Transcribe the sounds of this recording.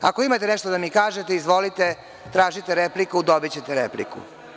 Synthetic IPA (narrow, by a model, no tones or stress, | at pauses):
a̰koimat̪eneʃt̪od̪amikaːʒet̪eizʋo̞lit̪e | t̪ɾaːʒit̪eɾeplikud̪obit͡ɕet̪eɾeplḭkṵ